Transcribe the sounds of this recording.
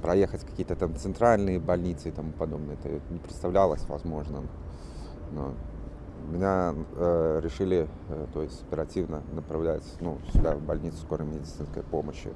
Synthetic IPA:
pɾɐjexətʲkɐ̥kʲijət̪ət̪amt̪sɨnt̪ɾalʲnɨjəbɐlʲnʲit̪sɨɪt̪ɐmupɐd̪o̞bnəjəɛt̪ə̰nʲɪpɾʲɪt̪st̪ɐvlʲalˠəsʲvɐ̰zmo̞ʐnə | no̰ | mʲɪnʲa | ɾʲɪʂɨlʲɪ | t̪o̞jɪsʲtʲɐpʲɪɾɐtʲivnənəpɾɐvlʲætʲnulʲabɐlʲnʲit̪sɨ̥sko̞ɾəmʲɪdʲɪt̪sɨnskə̰jpo̞məɕːɪ̰

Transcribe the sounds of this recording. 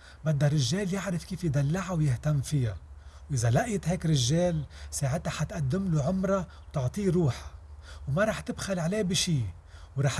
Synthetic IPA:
bad̪ːaɾˤɪʒːeːljɪʕɾɪfkiːfjd̪alːaʕawjɪht̪amːfɪjawʔɪzalaʔjt̪heːkɾɪʒːeːlsaːʕɪt̪aħat̪ʔad̪ːɪmluʕʊmɾˤɑwt̪ʊʕt̪ˤiːɾuːħḁwmaɾˤɑːħt̪ɪbxalʕaleːbiʃiː | wɾˤɑːħ

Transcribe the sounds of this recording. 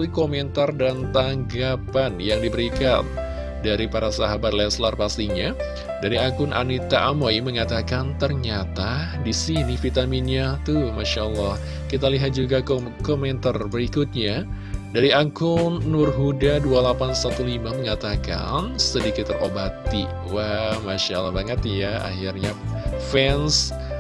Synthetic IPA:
likomɛnt̪ardant̪aŋɡapanjaŋdibəɾikan | daɾipaɾasaɦabat̪̚lɛslarpast̪iɲa | daɾiaŋkʊnʔa̰nit̪aʔamojməŋat̪akant̪ərɲat̪a | disinifit̪aminɲat̪umaʃaʔəlːɑh | kit̪̬aliɦat̪̚d͡ʒuɡak | komɛnt̪arbəɾikʊt̪̚ɲa | daɾiaŋkʊnːʊrɦudadualapansat̪ulimaməŋat̪aka̰nsədikɪt̪ːərobat̪i | wamaʃa̰lɔbaŋət̪jaa̰hirɲafɛns

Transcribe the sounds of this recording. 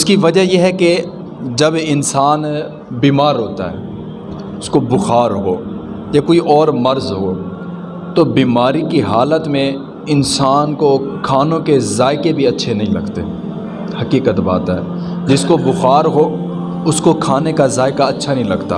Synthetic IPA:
ʊskiʋɐd͡ʒajeɦɛke | d͡ʒɐbɪnsaːn | biːmaːɾɦoːt̪a̰ɦɛ̰ː | ʊskobʊxaːɾɦoː | jakoːiʔɔːɾmɐɾzɦoː | t̪obiːmaːɾikiɦaːlət̪mẽ | ɪnsaːnkokʰaːnõkezaːɪkebʱiɐtːʃʰenɐɦĩlɐ̰ɡt̪ḛ | hɐkiːkət̪ba̰ːt̪aɦɛ̰ː | d͡ʒɪskobʊxaːɾɦo | ʊskokʰaːnekazaːɪkaɐtːʃʰanɐɦĩlɐɡt̪a̰ː

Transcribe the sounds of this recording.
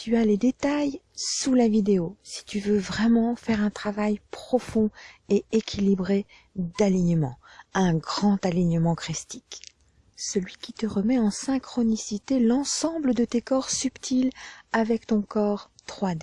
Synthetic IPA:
t̪yaled̪et̪ajsulavid̪eosi̥t̪yvøvʁɛmɑ̃fɛʁɛ̃t̪χavajpχɔfɔ̃eekʲʰilibʁe | d̪aliɲəmɑ̰̃ɛ̃ɡʁɑ̃t̪aliɲəmɑ̃kχist̪i̥k | səlɥikʲit̪əʁəmɛɑ̃sɛ̃kχɔnisit̪elɑ̃sɑ̃bləd̪ət̪ekɔʁsypt̪ʰilavɛkt̪ɔ̃kɔʁt̪χwad̪e

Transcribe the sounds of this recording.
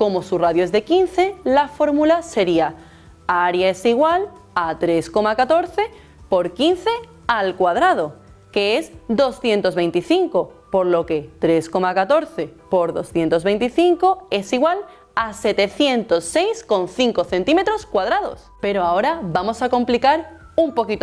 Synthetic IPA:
ko̞mo̞suraðjoe̞zðe̞kin̟θe̞lafo̞ɾmulase̞ɾia | aɾjae̞siɣwal | at̪ɾe̞sko̞makat̪o̞ɾθe̞ | po̞ɾkin̟θe̞ | alkwað̞ɾað̞o̞ | ke̞esd̪o̞sθje̞nt̪o̞zβe̞jnt̪iθiŋko̞ | po̞ɾlo̞ke̞t̪ɾe̞sko̞makat̪o̞ɾθe̞po̞ɾðo̞sθje̞nt̪o̞zβe̞jnt̪iθiŋko̞e̞siɣwal | ase̞t̪e̞θje̞nt̪o̞sːe̞jsko̞nθiŋko̞θe̞nt̪ime̞t̪ɾo̞skwað̞ɾaðo̞̰spe̞ɾoao̞ɾabamo̞sako̞mplikaɾ | umpo̞kit̪o

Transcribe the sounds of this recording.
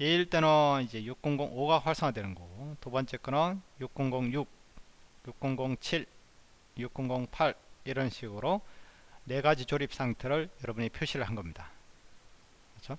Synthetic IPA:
je̞iɭt͈e̞nʌnid͡ʑe̞juk̚k͈uŋɡoŋoɡaɸwaɭs͈ʌŋadwenɯnɡotubʌnt͡ɕ͈ek͈ʰɯnʌnjuk̚k͈uŋɡoŋjuk̚ | juk̚k͈uŋɡoŋt͡ɕʰiɭ | juk͈uŋɡoŋpʰaɾiɾʌnɕʰiɡɯɾo | ne̞ɡad͡ʑit͡ɕoɾip̚s͈aŋtʰɯɾɯɭjʌɾʌbuɲipʰjoɕʰiɾɯɭɦanɡʌmɲida | kʌt͡ɕʰo

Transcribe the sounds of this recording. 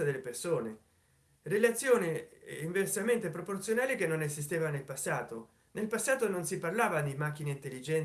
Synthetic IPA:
ad̪elːepersoːne | relat̪sːjoːniiɱversament̪epɾoport̪sjonaːlikenːonezis̬t̪eːvanelpasːaːt̪o | nelpasːaːt̪ononsiparlaːvad̪imak̟ːineint̪elːid͡ʒɛn

